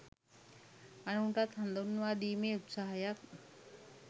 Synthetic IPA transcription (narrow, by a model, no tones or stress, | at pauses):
ɐnuːɳʈat̪ʰɐnd̪onːuʋaːɗ̪iːmeut̪saːɦɐjak